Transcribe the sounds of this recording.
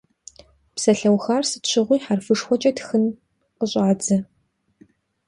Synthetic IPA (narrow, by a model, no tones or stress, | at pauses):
psɐɬɐwxaːrsɨtɕʷʰɪʁʷiːħarfɨʂxʷɔt͡ʃʼɐtxɨn | qəɕʼaːd͡zɐ